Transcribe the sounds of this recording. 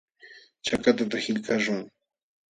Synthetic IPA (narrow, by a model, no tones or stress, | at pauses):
t͡ʃakat̪at̪ahɪʎkaʃʊŋ